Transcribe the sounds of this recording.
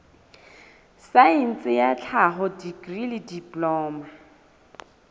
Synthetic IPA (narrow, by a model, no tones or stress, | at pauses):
saɛn̩t͡sʼɪjat͡ɬʰaɦʊdiɡrilɪdipʼlɔːma